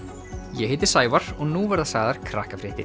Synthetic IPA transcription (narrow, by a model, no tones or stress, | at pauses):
jɛhɪːt̪ɪ̥saːjvaɾ̥ɔɣnuːvɛɾðasaːɣðaɾ̥kʰɾa̰ːhkafɾɪːht̪ɪ̰